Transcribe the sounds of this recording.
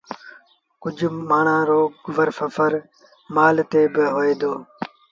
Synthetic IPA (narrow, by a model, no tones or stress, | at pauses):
kʊd͡ʒʱmaːɳãːɾoːɡʊʋəɾsəfəɾ | maːlt̪eːbɪɦoːeːd̪oː